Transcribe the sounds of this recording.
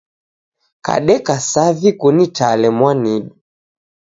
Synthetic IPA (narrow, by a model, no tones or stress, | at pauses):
ka̰ɗɛkasavikunitalɛmwaniɗu